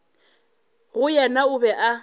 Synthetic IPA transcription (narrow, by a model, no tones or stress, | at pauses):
ɣʊjɛnaʊbɛʔa